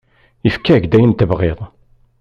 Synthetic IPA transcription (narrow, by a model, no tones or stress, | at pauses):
ifkːæʝd̪æjənt̪əvʁeðˤ